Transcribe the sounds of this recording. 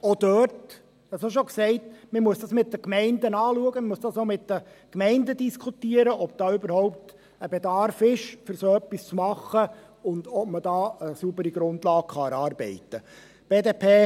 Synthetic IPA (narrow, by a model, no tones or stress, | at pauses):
ɔd̥œːɾt | ɛsoʃ̬oksɛɪtməmuəsdɑsmɪt̚d̥əkmɛɪndənɑːluəɡəmmuəsd̥ɑsomɪtdəkmɛɪndədiskʰutiːəɾəʔɔb̥̚d̥ɑːʏbəɾhɔʊp̚t | əbɛdɑrfɪʃfʏɾsoːœpːist͡smɑχːə | ʊndɔbmədɑːəsubəɾiɡ̥ɾʊndlɑːkχɑɛɾɑːɾbɛ̰ɪtə | b̥eːdeːpʰeː